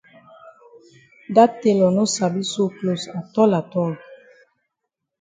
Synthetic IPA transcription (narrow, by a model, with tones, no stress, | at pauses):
da˦te˨lɔ˨no˦sa˨bi˦so˦klo˨sa˨tɔ˦la˨tɔ˦˨l